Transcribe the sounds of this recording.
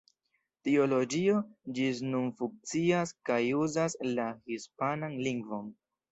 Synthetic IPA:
tio̞lo̞d͡ʒio̞d͡ʒisnunfuŋk̚t͡siaskajuzaslahispananliŋɡvo̞n

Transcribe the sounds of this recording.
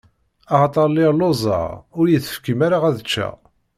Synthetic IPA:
ɑʁɑt̪ˤɑɾˤlːilozˤɑ̰ʁʊɾjiθə̥fkimaɾaʁæðt͡ʃːæ̰

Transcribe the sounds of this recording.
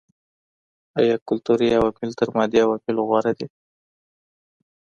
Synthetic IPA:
ajɑkʊlt̪uɾiawɑmɪlt̪əɾmɑd̪iawapilɣwɑɾad̪i

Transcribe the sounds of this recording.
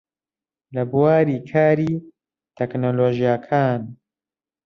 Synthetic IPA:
lɐbuwaːɾiːkʰaːɾiː | t̪ʰɛknoːloːʒijakʰaːn

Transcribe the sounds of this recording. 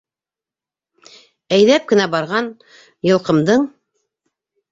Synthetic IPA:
æjðæp̚kɘ̆næbɑɾʁɑn | jɤ̆lˠqɤ̆md̪ɤɴ

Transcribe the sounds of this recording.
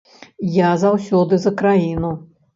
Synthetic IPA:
jazawsʲɔd̪ɨzɐkɾajinu

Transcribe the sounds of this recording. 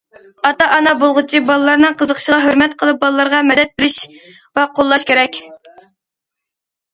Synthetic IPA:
ɑt̪ɑʔɑnɑbolˠʁʊt͡ʃʰibɑlˠɨlˠɑɾnɨŋqʰəzəqχʃəʁɑɦøɾmɛt̪qʰəlˠɨp̚bɑlˠɨlˠɑɾʁɑmɛd̪ɛt̪̚bɪɾɪʃ | vɛqʰolˠːɑʃkʲeɾɛkʲ

